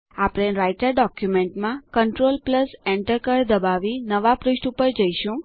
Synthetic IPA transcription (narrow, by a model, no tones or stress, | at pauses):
apɽ̃ẽɾajʈəɾɖɔkjumeɳʈmãkəɳʈɾolpləseɳʈəɾkəɾd̪əbaʋinəʋapɾɪʃʈupəɾd͡ʒəiʃũ